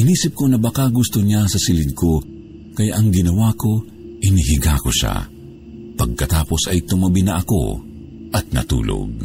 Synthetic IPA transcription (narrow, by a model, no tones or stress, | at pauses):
ʔɪniːsɪp̚konɐbɐkaɡʊst̪oɲasɐsɪlɪd̪̚kʰo | kɐjaʔɐŋɡɪnɐwako̞ | ʔɪnɪɦɪɡako̰ʃa̰ | pɐɡ̚kɐt̪aːposɐjt̪ʊmɐbɪnɐʔɐko̰ | ʔɐt̪̚nɐ̰t̪ṵːlo̰ɡ̚